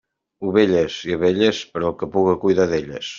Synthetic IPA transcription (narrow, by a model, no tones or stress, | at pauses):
uβeʎesiɐβeʎespəɾɔkəpuɣɐkujðaðeʎɐ̰s